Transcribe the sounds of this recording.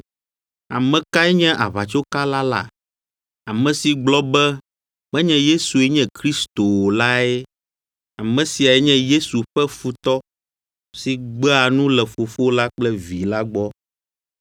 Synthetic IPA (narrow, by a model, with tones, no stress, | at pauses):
a̰˨mɛ̃˨ka˦ɛ˦ɲɛ̃˦ʔa̰˨βa˨t͡ʃo˦ka˦la˦la̰˨ | a˨mɛ̃˨si˨ɡ͡blɔ˦bɛ˦ | mɛ̃˦ɲɛ̃˦je˦su˨ɛ˦ɲɛ̃˦kɾi˦st̪o˨wo˨la˦e˦ | a˨mɛ̃˨si˨a˨ɛ˦ɲɛ̃˦je˦su˨ɸɛ˦fu˦t̪ɔ˦ | si˨ɡ͡bɛ˦a˨nũ˦lɛ˨fo˨fo˦la˦k͡plɛ˦vi˨la˦ɡ͡bɔ˦